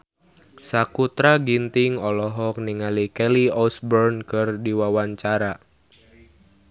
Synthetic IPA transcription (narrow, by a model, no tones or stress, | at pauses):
sakut̪ɾaɡint̪iŋɔlɔɦɔk̚niŋalikɛliɔsbɔrnkɨrdiwawaɲt͡ʃaɾa